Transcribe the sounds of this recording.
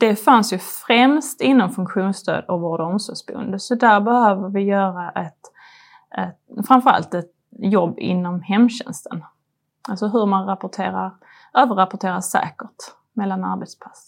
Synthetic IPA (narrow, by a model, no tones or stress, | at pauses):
d̪̥ɛfansjɵfɾɛmst̪ɪnːɔmfɵŋkɧuːnst̪ʰø̰ːd̪ɔkboːd̪əɔmsɔːɡsbɵ̰nd̪əsɔd̪æɾbɛhøːvəɾvɪjœːɾaʔɛt̪ | ɛt̪fɾanfəɾa̰lt̪ɛt̪ | jɔbːɪ̰nːɔmhɛmːɕɛ̰nst̪ən | ʔalsɔɦɵɾmanɾapʊʈʰeːɾaɾ | øːvəɾapʊʈʰeːɾasɛ̰ːkəʈ | mɛlːana̰ɾbɛːt̪spʰḁs